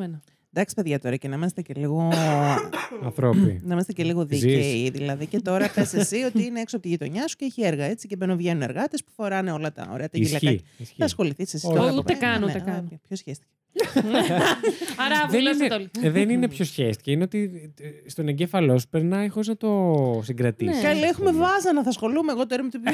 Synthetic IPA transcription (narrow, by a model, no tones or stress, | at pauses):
enɐ | nd̪ɐksi̥pe̞ðʝɐt̪o̞ɾɐcenɐimese̥t̪eceliɣo | ɐθɾopḭnɐimest̪eceliɣo̞ðieðilɐðice̞t̪o̞ɾɐpesesio̞t̪iineeksoɐpot̪iʝit̪o̞ɲɐsu̥ceeçieɾɣɐe̞t͡sicebeɾnuvʝe̞nune̞ɾɣɐt̪espu̥fo̞ɾɐneo̞lɐt̪ɐ̰o̰ɾe̞ɐt̪ɐilɐiisɐsxo̞liθissesit̪oɐumekɐnnout̪ekɐnopçosçest̪i̥ce | ne | ɐɾɐelt̪oliðenine̞pço̞sçest̪i̥ceineo̞t̪ist̪o̞neɲɟefɐlo̞su̥peɾnɐixoznɐt̪o̞siŋɡɾɐt̪ikɐlexumevɐzɐnɐθɐsxo̞lumeeɣot̪oeɾmet̪ip